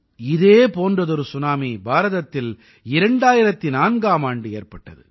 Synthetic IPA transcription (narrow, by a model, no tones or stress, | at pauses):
ɪðeːpoːndrɐðɔɾɯsʊnaːmibaːɾɐðɐt̪ːɪl | ɪɾɛɳɖaːjɪɾɐt̪ːinaːnɡaːmaːɳɖɯḛːrpɐʈːɐ̰ðɯ̰